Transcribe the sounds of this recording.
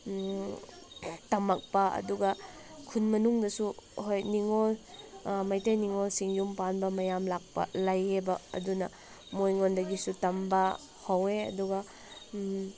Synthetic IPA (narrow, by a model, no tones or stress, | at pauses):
tɐmɐk̚pɐɐ̰duɡɐ | kʰunmɐnuŋdɐsuɦojniŋol | mɐjtɐjniŋolsiŋjumpanbɐmɐjamlak̚pɐ̰lajebɐɐ̰dunɐ | mojŋondɐɡisutɐmbɐ | hɐweɐ̰duɡɐ